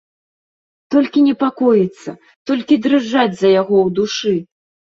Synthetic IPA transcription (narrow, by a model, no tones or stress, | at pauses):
t̪ɔlʲkʲinʲɛpakɔjit̪sːɐ | t̪ɔlʲkʲid̪ɾɨʐːad͡zʲzɐjaɣɔwd̪uʂɨ